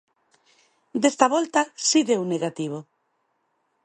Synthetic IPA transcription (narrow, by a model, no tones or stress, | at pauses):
d̪est̪aβolt̪asiðewneɣat̪iβ̞o